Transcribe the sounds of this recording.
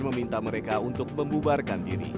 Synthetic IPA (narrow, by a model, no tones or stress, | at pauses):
məmint̪aməɾekaunt̪ʊk̚məmbubarkandiɾḭ